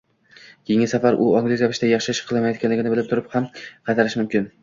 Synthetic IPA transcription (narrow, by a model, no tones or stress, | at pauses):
kʲʰejɪŋʲɪsafaɾʔʊɒŋɡlɪzjapʰɪʃt̪ajɑχʃɪɪʃqʰɨlˠamajɒt̪kʲanlɪɡʲɪnɪbɪlɪp̚t̪ʰʊɾɪphamqʰɑt̪ʰaɾɪʃmʊmkʲʰɪn